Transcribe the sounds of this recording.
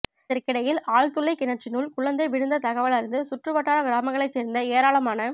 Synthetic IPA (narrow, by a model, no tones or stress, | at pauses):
ɪɾkːɪɽɐjɪlaːɭt̪ʊlːɐɪkɪnɐt͡ʃɪnuːɭkʊɭɐnd̪ɐɪʋɪɽɯnd̪ɐt̪ɐɣɐʋɐɭɐɾɯnd̪ɯsʊʈrɯʋɐʈːaːlɐɡɪɾaːmɐŋɡɐɭɐɪt͡ʃseːɾnd̪ɐeːɾaːɭɐmaːnɐ